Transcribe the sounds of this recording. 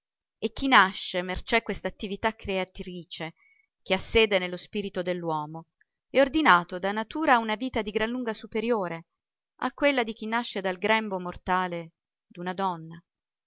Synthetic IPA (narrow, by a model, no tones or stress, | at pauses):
ek̟ːinaʃːemert͡ʃɛkːwest̪aːt̪ːivit̪akːɾeat̪ɾiːt͡ʃe | k̟easːeːd̪enelːospiːɾit̪od̪elːwɔːmo | ɛord̪inaːt̪od̪anat̪uːɾaunaviːt̪ad̪iɡɾanlːuŋɡasupeɾjoːɾe | a̰kːwelːad̪ik̟inːaʃːed̪alɡɾɛmbomort̪aːle | d̪unad̪ɔnːa